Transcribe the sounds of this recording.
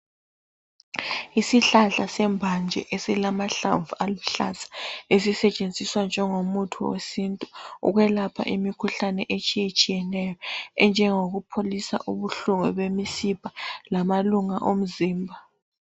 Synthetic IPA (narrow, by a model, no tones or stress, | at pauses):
isiɬaɬasɛmbʱand͡ʒʱɛ̰ʔesilamaɬa̰ɱvualuɬa̰zḁesisɛt͡ʃʼend͡zʱiswand͡ʒʱɛŋomutʰuwḛsintʼuṵɣwɛlapʰa̰ʔimikʰuɬanɛʔet͡ʃʼijet͡ʃʼijɛnɛjɔɛnd͡ʒʱɛŋoɣupʰolisa̰ʔuβuɬuŋɛβemisipʰʼḁlamaluŋaʔom̩ziːmbʱa